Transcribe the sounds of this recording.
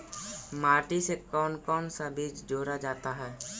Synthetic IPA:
maːʈisekɔːnkɔːnsabʱiːd͡ʒd͡ʒoːɾad͡ʒaːt̪aɦɛː

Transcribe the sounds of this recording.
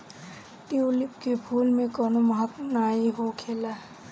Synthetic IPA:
ʈiolɪp̚kepʰuːlmẽkɔːnomɐɦət̪mnaːiɦokʰeːlaː

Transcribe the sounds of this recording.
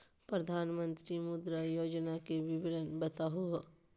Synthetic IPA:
pɾɐd̪ʱaːnmə̃nt̪ɾimʊd̪ɾajoːd͡ʒnakeʋɪbɪɾənbɐt̪aɦuɦ

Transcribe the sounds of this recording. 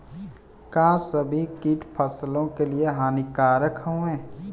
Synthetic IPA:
kãːsəbʱikiːʈpʰəslõkelieɦaːnikaːɾəkʰɦõɛ̃ː

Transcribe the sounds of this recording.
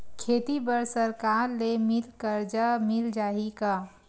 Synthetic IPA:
kʰeːt̪ibəɾsəɾkaɾlemilkəɾd͡ʒamild͡ʒaːɦika

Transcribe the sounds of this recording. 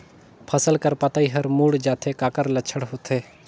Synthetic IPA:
pʰɐsəlkəɾpɐt̪aːiɦɐɾmuːɽd͡ʒaːt̪ʰekaːkəɾlɐt͡ʃʰəɽɦot̪ʰeː

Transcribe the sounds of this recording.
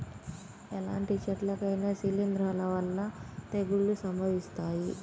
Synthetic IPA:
ɛlaːɳʈit͡ʃɐʈlɐkɐjnɐsilind̪ɾaːlɐʋɐlːɐt̪eɡuɭːusɐmbʱɐʋist̪aːji

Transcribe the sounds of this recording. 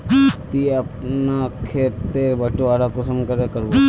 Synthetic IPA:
t̪iɐpnakʰet̪eːɾbɐʈoaːɾakosɐmkɐɾekɐɾbo

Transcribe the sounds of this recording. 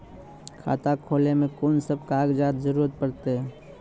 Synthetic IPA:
kʰa̰ːt̪akʰoːlemẽkoːnsəb̚kaːɡd͡ʒaːd̪zəɾuːɾət̪̚pəɾt̪eɦɛ̃ː

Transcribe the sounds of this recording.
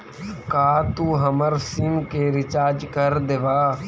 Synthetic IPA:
kaːt̪uːɦəməɾsimkeɾɪt͡ʃaːɾd͡ʒkəɾd̪eʋaː

